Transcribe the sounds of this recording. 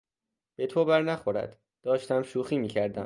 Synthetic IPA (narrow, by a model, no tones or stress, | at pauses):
b̥e̞t̪ʰobæɾnæxo̞ɾæ̰d̪̥ | d̪̥ɒːʃt̪æmʃuːxiːmiːcʰæɾd̪æm